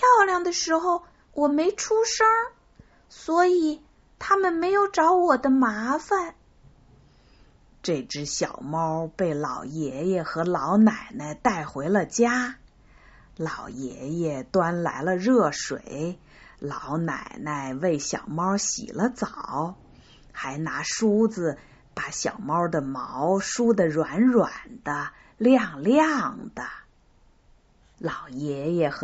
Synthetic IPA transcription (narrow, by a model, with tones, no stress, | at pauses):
pʰjɑ˥˧ʊljɑ˥˩ŋd̪ə˩ʂɻ̩˧˥xo˧ʊ | wʔɔ˨˩me˧˥ɪʈ͡ʂʰu˥ʂɤ˥ŋ | swɔ˧˥i˨˩ | t̪ʰa˥mə˨nme˧˥ɪjo˨˧˩ʊʈ͡ʂɑ˧˥ʊwɔ˨˩d̪ə˦ma˧˥fa˥˧n | ʈ͡ʂɤ˥˧˩ɪʈ͡ʂɻ̩˥ɕjɑ˨˩ʊmɑ˥ʊpe˥˩ɪlɑ˨˩ʊjɛ˧˥jɛ˨˩xɤ˧˥lɑ˧˥ʊna˨˩ɪnə˧ɪt̪a˥˩ɪxwe˧˥ɪlə˧t͡ɕja˥ | lɑ˨˩ʊjɛ̰˧˥jɛ˨˩t̪wa˥nla̰˧˥ɪlə˧ɻɤ˥˩ʂwe˨˩˦ɪ | lɑ˧˥ʊna̰˨˩ɪnə˧ɪwe˥˩ɪɕjɑ̰˨˩ʊmɑ˥ʊɕḭ˨˩lə˦t͡sɑ˨˩ʊ | xa˧˥ɪna˧˥ʂu˥d͡zɹ̩˨ | pa˧˩ɕjɑ˨˩ʊmɑ˥ʊd̪ə˨mɑ˧˥ʊʂu˥d̪ə˨ɻwa˧˥nɻwa˨˩nd̪̥ə˦ | ljɑ˥˩ŋljɑ˥˩ŋd̪̥ə˩ | lɑ˨˩ʊjɛ˧˥jɛ˨˩x